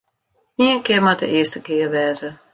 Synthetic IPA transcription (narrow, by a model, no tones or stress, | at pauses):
iənkɪmadə̰ʔɪəstəkɪːərʋɛːzə